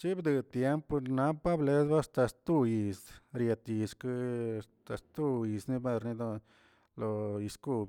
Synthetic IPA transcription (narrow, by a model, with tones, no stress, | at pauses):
t͡ʃi˦bd̪ɨ˧t̪je˦mpna˦pa˦ble˦zba˦st̪a˧st̪u˧ji˨sɾje˧t̪i˨ʂkɨ˦st̪a˧st̪u˧ji˨sni˦˧be˧ɾni˧d̪o˧ | lo˧i˧sku˦˧b